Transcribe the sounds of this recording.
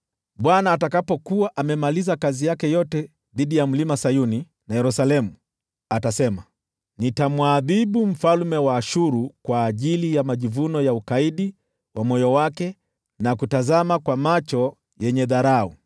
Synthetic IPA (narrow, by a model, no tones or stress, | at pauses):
ɓwanaːtakapɔkuwaʔamɛmalizakazijakɛjɔtɛ | ðiɗijam̩limasajuni | najɛɾusalɛmu | atasɛma | nitamwaðiɓum̩falmɛwaːʃuɾukwaːʄilijamaʄivunɔjaukaiɗi | wʔamɔjɔwakɛ | nakutazamakwamat͡ʃɔ | jɛɲɛðaɾau